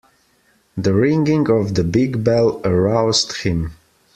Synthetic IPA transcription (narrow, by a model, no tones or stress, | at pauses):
ðəɹɪ̃ŋɡɪ̃ŋʌvðəbɪɡbɛlˠəɹaʊzdhɪ̃m